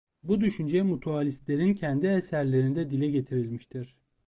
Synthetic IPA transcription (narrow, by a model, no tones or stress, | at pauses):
bud̪yʃynd͡ʒɛmut̪ʰualʲist̪lʲe̞ɾincʰɛnd̪iesæɾlʲe̞ɾind̪ɛd̪ilʲɛɟe̞t̪ʰiɾilʲmiʃt̪ʰiɾ̥